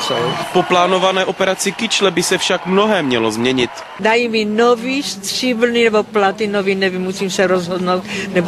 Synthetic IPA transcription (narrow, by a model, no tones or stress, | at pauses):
sowpo̞plaːnovanɛːʔo̞pɛɾat͡sɪkɪt͡ʃlɛbɪsɛfʃakmno̞ɦɛːmɲɛlozmɲɛɲɪt̪ | dajimɪnoviːst̪r̥ɪbl̩nɪnɛboplat̪inoviːnɛvimːusiːmsɛɾozɦodnowt̪nɛb